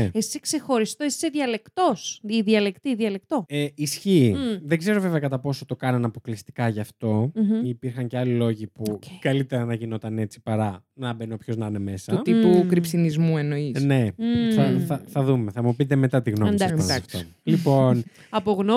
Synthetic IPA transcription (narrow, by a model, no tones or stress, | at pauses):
eessekse̞xo̞ɾist̪oesi̥seðiɐle̞kt̪o̞siðiɐlekt̪iðiɐlek̚t̪o̞eisçiːðe̞ɡze̞ɾo̞ve̞ve̞ɐkɐt̪ɐpo̞sot̪o̞kɐnɐnɐpo̞klist̪i̥kɐʝɐːft̪o̞ipiɾxɐɲceɐlilo̞ʝipukɐlit̪e̞ɾɐnɐʝino̞t̪ɐne̞t͡si̥pɐɾɐ | nɐbe̞nopço̞znɐne̞me̞sɐt̪ipukɾipsinizmuenoine̞θɐθɐθɐðumeθɐmupit̪̬e̞me̞t̪ɐt̪iɣno̞dsɐssɐft̪o̰ | lipo̞n | ɐpo̞ɣno